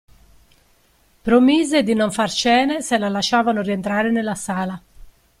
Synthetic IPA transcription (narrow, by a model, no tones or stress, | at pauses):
pɾomiːzed̪inoɱfart͡ʃɛːneselalaʃaːvanʊrient̪ɾaːɾenelːasaːla